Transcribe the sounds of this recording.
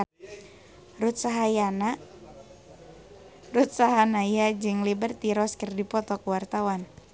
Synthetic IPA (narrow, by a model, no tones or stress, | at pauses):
rut̪̚saɦajana | rut̪̚saɦanajad͡ʒɨŋlibərt̪iɾɔskərdipɔt̪ɔkuwart̪awan